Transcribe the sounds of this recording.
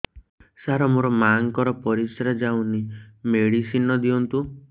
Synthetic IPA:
saɾɔmoɾɔmaŋkɔɾɔpɔɾisɾad͡ʒawnimeɽisinɔd̪iɔnt̪u

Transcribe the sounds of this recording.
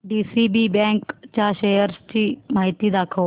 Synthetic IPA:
ɖiːsiːbiːbɛ̃ːŋkt͡ʃaːʃeːjəɾst͡ʃiːmaːɦɪt̪iːd̪aːkʰo

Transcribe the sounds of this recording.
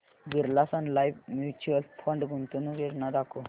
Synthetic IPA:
ɡiɾlasanlajʋmjut͡ɕuəlpʰə̃ɳɖɡʱunt̪unuɡeɾnad̪akʰo

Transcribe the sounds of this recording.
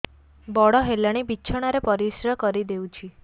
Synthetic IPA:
bɔɽɔɦelaɽ̃ibiːt͡ʃʰɔɽ̃aɾepɔɾisɾɔkɔɾid̪ewt͡ʃʰi

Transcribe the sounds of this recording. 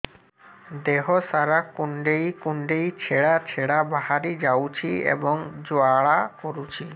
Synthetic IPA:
d̪eɦɔsaɾakuɳɖejkuɳɖejt͡ʃʰeɽat͡ʃʰeɽabaɦaɾid͡ʒawt͡ʃʰiḛbɔŋd͡ʒoaɭakoɾut͡ʃʰi

